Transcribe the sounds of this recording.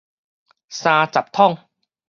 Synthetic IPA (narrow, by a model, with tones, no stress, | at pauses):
saː˧t͡ɕa˨˩p̚t̪ʰɔ˥˩ŋ